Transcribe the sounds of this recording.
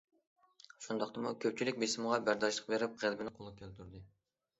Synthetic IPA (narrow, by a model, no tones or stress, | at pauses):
ʃund̪ɑqt̪ɑmukʲʰøp̚t͡ʃʰilɪk̚ʲbesɪmʁɑbæɾd̪ɑʃlˠəq̚beɾɪp̚ʁælbɪnɪqʰolˠp̚kʲʰelt̪ʰyɾd̪ɨ